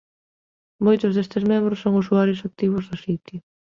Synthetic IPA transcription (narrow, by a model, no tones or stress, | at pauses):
mojt̪ʊzðest̪ɪsmembɾʊsːoŋʊsuaɾjʊsak̚t̪iβ̞ʊzðʊsit̪jʊ